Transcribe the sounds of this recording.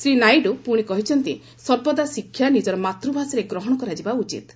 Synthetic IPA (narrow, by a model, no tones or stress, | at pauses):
sɾinajɖupuɽ̃ikɔɦit͡ʃʰɔnt̪i | sɔɾbɔd̪asikʰːjanid͡ʒɔɾɔmat̪ɾubʱasiɾeɡɾɔɦɔɽ̃ɔkɔɾad͡ʒibaut͡ʃḭt̪